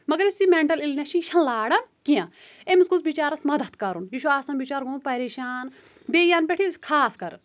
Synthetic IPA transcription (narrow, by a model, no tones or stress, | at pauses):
mɐɡɐɾisimẽɳʈɐlilnʲaʃiʃʰɐnlaːɽɐnkijãː | emisɡusbit͡ʃaːɾɐsmɐd̪ɐt̪kɐɾunjiʃuaːsɐmbit͡ʃaːɾɡuːpɐɾeːʃaːn | beːjaːnpʲeʈʰiskʰaːskɐɾ